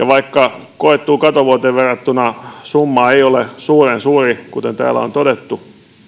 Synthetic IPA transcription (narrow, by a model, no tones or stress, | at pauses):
jɑʋɑikːɑkoet̪ːuːkɑt̪oʋuot̪eʋʋerːɑt̪ːunɑsumːɑːeiolesuːrensuːrikut̪ent̪æ̰ːlːæ̰o̰nt̪odet̪ːu